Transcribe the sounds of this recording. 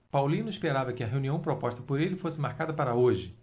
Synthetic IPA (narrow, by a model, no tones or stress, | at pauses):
pawlĩnʊispeɾavɐkɪɐɦewuniɐ̃w̃pɾopɔʃt̪ɐpoɾelɪfosɪmaɾkad̪ɐpaɾɐoʒɪ